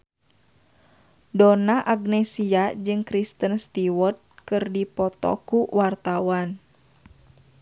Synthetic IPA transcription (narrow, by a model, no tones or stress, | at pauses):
dɔnaʔaɡnɛsiad͡ʒɨŋkɾist̪ənst̪iwɔrt̪̚kɨrdipɔt̪ɔ̰kuwart̪awan